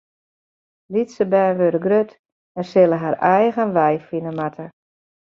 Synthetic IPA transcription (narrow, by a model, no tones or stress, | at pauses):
litsəbɛːnʋøɾəɡrøt | ɛrsɪlˠəɦaɾɛjɣənʋɛjfinəmatʰə